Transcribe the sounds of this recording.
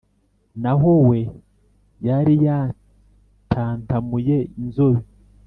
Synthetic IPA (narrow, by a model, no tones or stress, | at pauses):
naɦowe̞ | jaɾija | tʰantamujeinzoβi